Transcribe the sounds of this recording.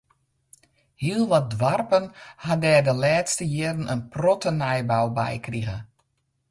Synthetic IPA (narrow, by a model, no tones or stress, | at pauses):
hiəlˠʋɔt̚dʋarpənhadɛːdəlɛːtstəjɪrənʔənprɔtənajbawbɛ̰jkriɣə̰